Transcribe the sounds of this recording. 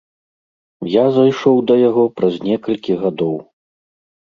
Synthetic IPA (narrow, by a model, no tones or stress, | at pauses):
jazajʂɔwd̪ɐjaɣɔpɾɐzʲnʲɛkɐlʲkʲiɣad̪ɔw